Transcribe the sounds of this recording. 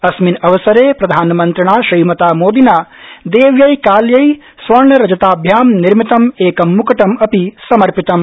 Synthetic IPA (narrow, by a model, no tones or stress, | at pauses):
ɐsminɐʋɐsɐɾeːpɾɐd̪ʱaːnɐmɐnt̪ɾɐɳaːʃɾiːmɐt̪aːmoːd̪inaː | d̪eːʋjɐjkaːljɐj | sʋɐɾɳɐɾɐd͡ʒɐt̪aːbʱjaːmniɾmit̪ɐmeːkɐmːukɐʈɐmɐpisɐmɐɾpit̪ɐm